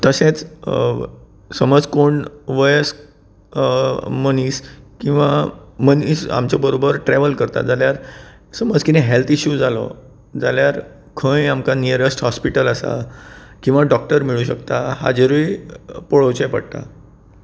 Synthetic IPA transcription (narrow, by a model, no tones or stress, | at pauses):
t̪əsẽt͡s | səməd͡zkoɳʋɔjəs | məniskĩw̃ʋamənisa̰mt͡ɕjabəɾobəɾʈɾɛʋəlkəɾt̪a̰d͡zaljaɾ | səməd͡zkinɛ̃ɦelt̪ʰiɕuːd͡zalɔ̰ | d͡zaljaɾ | kʰə̃jamkaniəɾəsʈhɔspiʈələsa̰kĩw̃ʋaɖɔk̚ʈəɾmiɭuːɕəkt̪aha̰d͡ʑəɾuipoɭowt͡ɕẽpə̰ɽt̪a̰